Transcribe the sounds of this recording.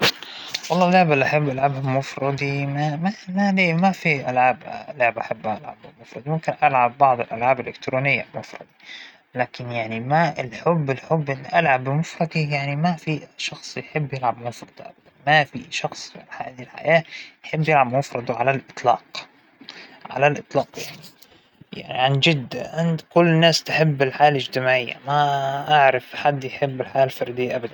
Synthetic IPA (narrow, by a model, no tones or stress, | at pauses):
wɑlˤːɑːlːʊʕbalːiʔaħabːʔalʕaːbhamʊfɾˤɑd̪ˤimamamaliːmafiʔalʕaːbʔlʊʕɪbʔaħabːʔalʕa̰bmʊfɾˤɑd̪ˤimʊmkɪnʔalʕabːɑʕd̪ˤɪlʔalʕaːbɪlʔɪkt̪ɾuːnɪjːa̰lmʊfɾˤɑ̰d̪ˤi | laːkɪnjaʕnimaɪlħʊbːɪlħʊbːʔɪnːiʔalʕabmʊfɾˤɑd̪ˤijaʕnimafiʃɑxsˤjħɪbːjɪlʕabmʊfɾˤɑd̪̥ˤʔa̰bad̪anmafiʃɑxsˤfʕalħaʔd̪ilħa̰jaːjħɪbːjɪlʕabmʊfɾˤɑd̪ˤʕalalʔɨt̪ˤlɑ̰ːq | ʕa̰lalʔɨt̪ˤlɑːqjaʕni | ja̰ʕnḭʕand͡ʒɪd̪ːaʕɪnt̪kʊlːnːaːst̪ɪħɪbːɪlħaːalɪd͡ʒt̪ɪmaːʕɪjːa̰maʔaʕɾɪfħad̪ːjħɪbːɪlħaːalfɑɾˤd̪ɪjːaʔabad̪an